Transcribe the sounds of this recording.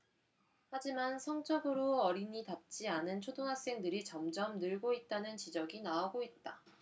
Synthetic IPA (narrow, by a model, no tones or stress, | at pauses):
had͡ʑimansʰʌŋt͡ɕ͈ʌɡɯɾoʌɾiɲitap̚t͡ɕ͈ianɯnt͡ɕʰodoŋɦas͈e̞ŋdɯɾit͡ɕʌmd͡ʑʌmnɯɭɡoit̚t͈anɯnt͡ɕid͡ʑʌɡinaaɡoit̚t͈a